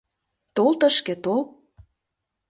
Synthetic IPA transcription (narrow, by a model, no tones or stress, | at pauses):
t̪olt̪ə̆ʃkĕt̪ol